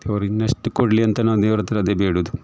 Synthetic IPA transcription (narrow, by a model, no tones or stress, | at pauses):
eʋɐɾinːɐʂʈːukoɽliɐnt̪ɐnɐd̪eːʋɐɾɐt̪ːɐɾɐd̪ebeːɽud̪u